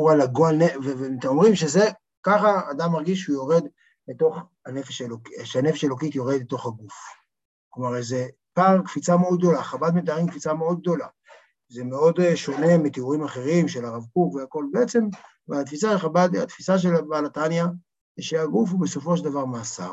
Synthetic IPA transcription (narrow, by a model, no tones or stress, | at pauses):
uʁalaɡoanevevet̪omʁimʃeze | kaχaːd̪amːaʁɡiʃ̬ujo̞ʁed̪ | leto̞χ | anefeʃalokʃeane̞feʃaelokit̪jo̞ʁed̪bet̪o̞χhaɡuf | klomaʁze | paʁkfit͡sameod̪ɡd̪o̞laχabad̪met̪aʁimkfit͡sameo̞d̪̚ɡ̚d̪o̞la | ze̞meo̞dʃo̞ne̞mit̪iuʁimaχe̞ʁimʃe̞laʁavkukveako̞lbeet͡se̞m | valat̪fisaʃeχabad̪a̰t̪fisaʃ̬elbalat̪anja | ʃeaɡuf̬hube̞so̞fo̞ʃeldavaʁmaːsa̰